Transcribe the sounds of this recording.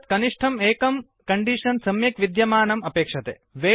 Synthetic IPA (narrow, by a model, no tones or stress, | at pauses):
t̪kɐniʂʈʰɐmeːkɐm | kɐɳɖiʂɐnsɐmjɐkʋid̪jɐmaːnɐmɐpeːkʂɐt̪ḛːʋeː